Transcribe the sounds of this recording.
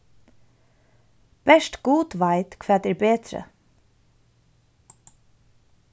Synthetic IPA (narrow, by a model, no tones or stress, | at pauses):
b̥ɛʃt̪ɡ̥uːt̪ʋaɪt̪kʰʋæːt̪ɛːɹbeːt̪ɾə̰